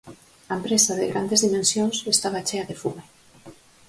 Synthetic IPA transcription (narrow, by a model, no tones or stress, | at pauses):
aempɾesaðeɣɾand̪ezðimẽnsjonsest̪aβat͡ʃeaðefume